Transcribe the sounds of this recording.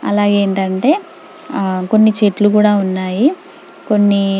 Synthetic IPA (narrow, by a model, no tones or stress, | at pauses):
ɐ̰laːɡeːɳʈɐɳʈe̞ː | ko̞nːit͡ʃeːʈlukuːɽaːunːaːji | ko̞nːi